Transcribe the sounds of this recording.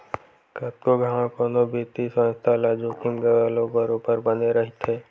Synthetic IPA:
kɐt̚koɡʱaãkoːnobeːt̪isə̃nst̪ʰalad͡ʒoːkɪmɡəʋaːlõbəɾõpəɾbəneɾɐɦɪt̪ʰeː

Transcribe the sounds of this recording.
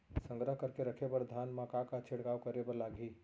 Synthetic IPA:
sə̃ŋɡɾəɦkəɾkeɾəkʰebəɾd̪ʱaːnmãkakat͡ʃʰeɽkaːwkəɾebəɾlaːɡiː

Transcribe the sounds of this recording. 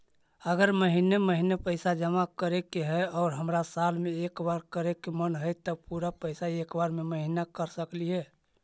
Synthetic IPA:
əɡəɾməɦineməɦinepəɪsad͡ʒəmakəɾekeɦɛɔːɾɦəmɾasalmẽekbaɾkəɾekːemənɦəjt̪əpuɾapəɪsaekbaɾmeməɦinakəɾsəkliɦɛ

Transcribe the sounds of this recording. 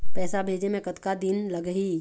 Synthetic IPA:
pɛːsabʱeːd͡ʒemẽkɐt̪kad̪ɪnlɐɡɦiː

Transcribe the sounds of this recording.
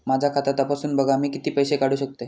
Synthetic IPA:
mad͡ʑʱakʰat̪at̪apasuːnbəɡʱamiːkit̪iːpəjɕekaɽ̤uːɕək̚t̪e

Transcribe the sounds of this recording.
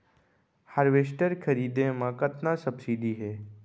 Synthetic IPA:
haɾʋeːsʈəɾkʰɐɾiːd̪ẽmãkət̪nasɐbsiːɖiɦɛː

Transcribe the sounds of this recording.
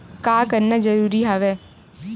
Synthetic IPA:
kaːkəɾnad͡ʒəɾuːɾiɦaːʋɛː

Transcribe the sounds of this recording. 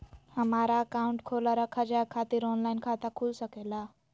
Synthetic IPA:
həmaɾaəkauɳʈkʰolaɾakʰːad͡ʒaekʰat̪iɾonlainkʰat̪akʰulsəkela

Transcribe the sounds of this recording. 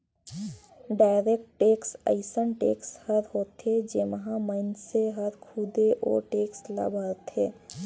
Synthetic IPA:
ɖaːɪɾek̚ʈːeːksə̰ɪsənʈḛːkshəɾɦoːt̪ɦed͡ʒeːməɦãməɪnseɦəɾkʰuːd̪eʔɔ̰ːɾʈeːksla̰bʱəɾt̪ɦeː

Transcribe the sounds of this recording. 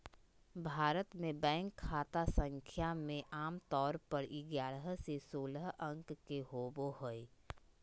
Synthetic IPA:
bʱaːɾət̪mẽbɛ̃ːŋkʰːaːt̪asə̃ŋkʰjamẽʔaːmt̪ɔːɾpəɾɪɡjaːɾəɦsesoːləɦə̃ŋkːeɦoːboɦoe

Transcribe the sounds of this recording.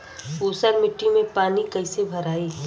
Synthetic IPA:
oːsəɾmɪʈːimẽpaːnikɐɪsebʱɐɾaːiː

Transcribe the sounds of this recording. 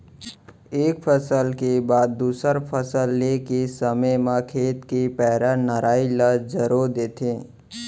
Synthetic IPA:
eːk̚pʰəsəlkebaːd̪ːuːsəɾpʰəsəlːekesəməmãkʰeːt̪kepɛɦɾanəɾaːiləd͡ʒəɾod̪eːt̪ʰẽː

